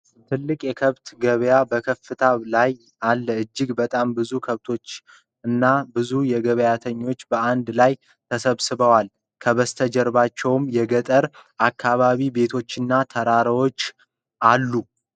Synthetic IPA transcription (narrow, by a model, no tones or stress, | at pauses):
t̪ʰɨlːɨkʼjɛkʰəβt̪ɡəβjabəkʰəfːɨt̪ʰalaj | alːəɨd͡ʒːɪɡbət̪ʼambɨzukʰəβt̪ʰo̞t͡ʃː | ɨnːabɨzujɛɡəβjat̪ʰəɲːo̞t͡ʃːbəand̪laj | t̪ʰəsəβsɨβəwal | kʰəβəst̪ʰəd͡ʒɛɾβat͡ʃːɛwmjɛɡət̪ʼəɾakːaβaβibe̞t̪ʰo̞t͡ʃːɨnːat̪ʰəɾaɾəwo̞t͡ʃː | ʔalːu